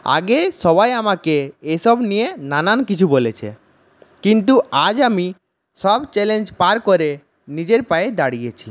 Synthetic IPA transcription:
a̰ɡeʃɔβajamakeeʃɔbnijenanankit͡ɕʰubolet͡ɕʰḛ | kint̪̬uad͡ʑami | ʃɔbt͡ɕɛlend͡ʑpaɾkoɾe | nid͡ʑeɾpaed̪aɽijet͡ɕʰi

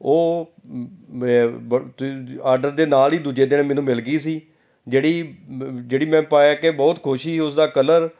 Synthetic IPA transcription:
oː | bt̪aːɾɖəɾd̪eːnaːliːd̪uːd͡ʒeːd̪ɪnmɛːnũːmɪlɡiːsiː | d͡ʒeːɽiːd͡ʒeːɽiːmɛ̃ːpaːjaːkɪbɔːt̪kʰʊʃiːʊsd̪aːkələɾ

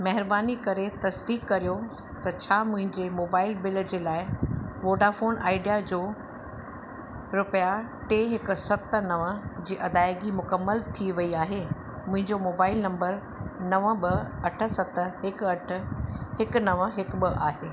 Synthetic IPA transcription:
mɐɦɪɾbaːnikɐɾet̪ɐsd̪iːkːɐɾijo | t̪ɐt͡ɕʰaːmʊ̃ɦɪ̃ɲd͡ʑemoːbaːɪlbɪld͡ʑeːlaːɪʋoːɖafoːnaːɪɖijad͡ʑoː | ɾʊpja | ʈeːɦɪkʊ̆sɐt̪ə̆nɐʋəd͡ʑiːʔɐd̪aːɪɡimʊkəmːəlt̪ʰiʋɐiaːɦeː | mʊ̃ɦɪ̃ɲd͡ʑomoːbaːɪlnɐ̃mbəɾ | nɐʋə̃ɓɪɐʈʰə̆sɐt̪əɦɪkɐʈʰə̆hɪknɐʋəɦɪkbɪʔaːɦeː

